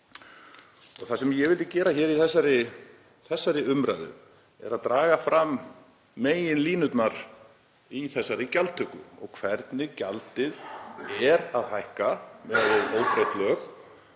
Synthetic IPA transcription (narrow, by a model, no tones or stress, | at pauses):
ɔɣθasɛmjɛɣvɪlt̪ɪcɛːɾaçɛːɾiθɛsːaɾɪ | θɛsːaɾɪʏmɾa̰jðʏ̰ | ɛ̰ɾaðt̪ɾaːɣafɾamː | eːjɪnliːnʏt̪naɾ | iθɛsːaɾɪcalt̪ʰʏkʏɔ̰ɣkʰvɛɾt̪nɪcalt̪ɪðɛɾaðhajhkamɛðʏoːwpɾajt̪lœx